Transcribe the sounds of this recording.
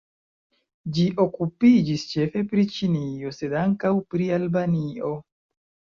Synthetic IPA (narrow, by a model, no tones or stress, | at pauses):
d͡ʒiʔokupid͡ʒist͡ʃe̞fe̞pɾit͡ʃinio̞se̞daŋkawpɾialbanio̞